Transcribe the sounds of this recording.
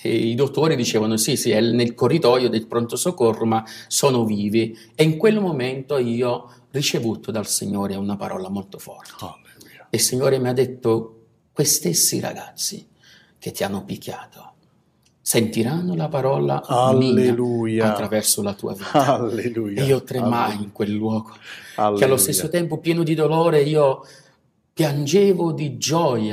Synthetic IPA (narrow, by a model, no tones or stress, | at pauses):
ɛid̪ot̪ːoːɾid̪it͡ʃɛːvanosisiɛnelkorːit̪ɔjod̪elpɾont̪osokːorːomasɔːnʊviːvi | eiŋkwelmoment̪oiːɔ | rit͡ʃevuːt̪ʰod̪alsḭɲːoːɾeunapa̰ɾʔɔ̰ːlamolt̪o̥fɔ̰rt̪e | ilsiɲːoːɾemiad̪ːet̪ːo | kwest̪esːiɾa̰ɡat̪sːḭ | k̟et̪ːianːʊpikʰʲːaːt̪ʰo̥ | sent̪iɾanːʊlapaɾɔːla̰amiːalujat̪ːɾavɛrsolat̪ṵːa̰viaːalelujiːot̪ːɾemajiŋkwelːwɔːɡokealːost̪esːot̪ɛmpʊpjɛːnʊd̪id̪olɔːɾeiːo | pjand͡ʒeːvʊd̪id͡ʒɔja